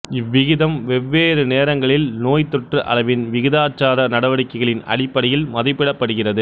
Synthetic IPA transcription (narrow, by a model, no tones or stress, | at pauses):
ɪʋːɪɣɪðɐmʋɛʋːeːɾɯneːɾɐŋɡɐɭɪlnoːjt̪ɔʈrɯʔɐ̰lɐʋɪnʋɪɣɪðaːt͡ʃːaːðɐnɐɽɐʋɐɽɪkːɐɪɣɐɭɪnɐ̰ɽɪpːɐɽɐjɪlmɐðɐɪpːɪɽɐpːɐɽɯɣɪrɐðɯ